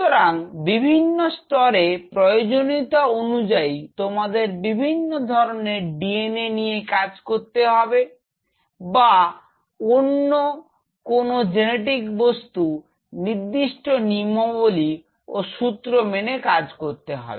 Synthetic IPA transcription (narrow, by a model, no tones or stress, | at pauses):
t̪oɾaŋbibʱinːost̪ɔɾepɾojod͡ʑonit̪oonud͡ʑait̪omad̪eɾbibʱinːod̪ʱɔɾoneɾɖienenijekad͡ʑkoɾt̪eɦɔbe | ba | onːo | konod͡ʑeneʈ̬ikbost̪u | niɾd̪iʃʈonimoboli | oʃut̪ɾomenekad͡ʑkoɾt̪eɦɔ̰be